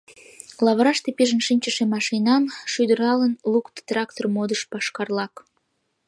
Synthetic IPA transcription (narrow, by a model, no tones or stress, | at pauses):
lɑβɾɑʃt̪epiʒənʃinʲt͡ɕəʃemɑʃinɑmʃyd̪əɾɑlənlukt̪t̪rɑkt̪ormod̪əʃpɑʃkɑrlɑk